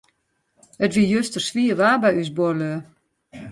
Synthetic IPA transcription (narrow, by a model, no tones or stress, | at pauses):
ətʋijøstərsʋiəʋaːbɛjysbolø